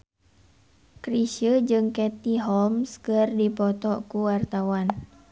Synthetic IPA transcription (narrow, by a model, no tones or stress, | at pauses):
kɾisəd͡ʒɨŋkɛt̪iɦɔmskərdipɔt̪ɔkuwart̪awan